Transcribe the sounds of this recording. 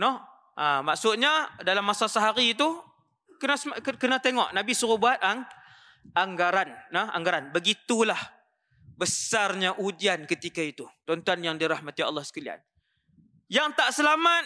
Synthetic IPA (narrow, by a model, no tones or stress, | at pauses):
nɔh | ʔamaʔsʊt̪̚ɲadalamːasasaɦaɾiːt̪u | kənasəkənat̪eŋɔ̰ʔnabisuɾʊbuat̪̚aŋ | ʔaŋɡaɾanːəha̰ŋɡaɾanbəɡit̪ulah | bəsarɲaʔud͡ʒiankət̪ikait̪ut̪ɔnt̪uanjaŋdiɾahmat̪ia̰lːɑhsə̥kalia̰n | jaŋt̪aʔsəlamat̪̚